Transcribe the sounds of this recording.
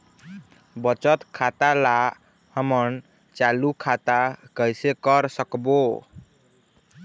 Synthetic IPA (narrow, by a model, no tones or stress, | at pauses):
bʌt͡ʃət̪kʰat̪ala | həmʌn | t͡ʃalukʰat̪akʌjsekʌɾsʌkbo